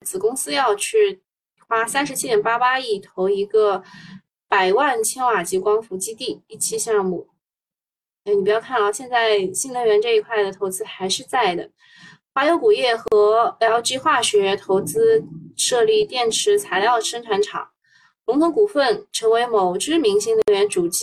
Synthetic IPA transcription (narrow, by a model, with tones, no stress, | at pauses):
t͡sɹ̩˨˩kʊ˥ŋsɹ̩˥jɑ˥˧ʊt͡ɕʰy˥˩ | xwa˥sa˥nʂɻ̩˧˥t͡ɕʰi˥t̪jɛ˨˩npa˥pa˥i˥˩t̪ʰo˧˥ʊi˧˥ɡə˧ | pa˨˩ɪwa˥˩nt͡ɕʰɛ˥nwa˨˩t͡ɕi˧˥kwɑ˥ŋfu˧˥t͡ɕi˥t̪i˥˩i˥˩t͡ɕʰi˥ɕjɑ˥˧ŋmu˥˩˧ | ni˨˩pjɑ˥˧kʰa˥˧nɑ˥˧˩ɕjɛ˥˧nt͡sa˥˧ɪɕi˥˩ŋnə˧˥ŋɥɛ˧˥nʈ͡ʂɤ˥˧i˥kʰwa˥˩ɪd̪ə˩t̪ʰo˧˥ʊt͡sɹ̩˥xa˧˥ɪʂɻ̩˥˧t͡sa˥˩ɪd̪ə̰˩ | xwa˥˩jo˧˥ʊku˨˩jɛ˥˩xɤ˧˥ljɑ˧˥ʊt͡ɕi˥xwa˥˩ɕɥɛ˧˥t̪ʰo˧˥ʊt͡sɹ̩˥ʂɤ˥˧li˥˩t̪jɛ˥˩nʈ͡ʂʰɻ̩˧˥t͡sʰa˧˥ɪljɑ˥˩ʊʂɤ˥ŋʈ͡ʂʰwa˧˥nʈ͡ʂʰɑ̰˨˩˦ŋ | lʊ˧˥ŋt̪ʰʊ˧˥ŋku˨˩fə˥˩nʈ͡ʂʰɤ˧˥ŋwe˧˥ɪmo˨˩ʊʈ͡ʂɻ̩˥mi˧˥ŋɕi˥˩ŋlə˧˥ŋɥɛ˧˥nʈ͡ʂu˨˩t͡ɕ